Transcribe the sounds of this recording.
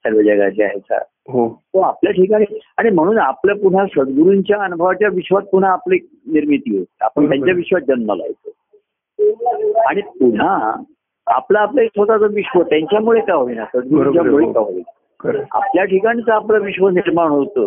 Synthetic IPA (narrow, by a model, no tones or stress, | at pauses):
səɾʋəd͡ʑəɡa̰t͡ɕea̰ɦet͡sa̰ɾ | ɦot̪oapljaʈʰiːkaɽ̃iaɽ̃im̤əɽ̃uːnapljapuɽ̤asət̪̚ɡuɾuɲt͡ɕjaːnbʱaʋat͡ɕjaʋiɕʋat̪̚puɽ̤aːpleeːk̚niɾmit̪iːɦot̪ea̰pəɳt̪jaɲjaʋiɕʋad͡ʑənməla̰ɦt̪o | aɽ̃ip̚uɽ̤a | a̰plaːplaek̚t̪ʰoʈat͡səʋiɕʋət̪jaɲt͡ɕjamuɭekaɦoʋinasəd̪̚ɡuɾt͡ɕjamuɭekaɦoʋḭna | kəɾa̰pljaʈʰikaɽ̃it͡s̪əaplaʋiɕʋəniɾmaɳ̃ɦot̪o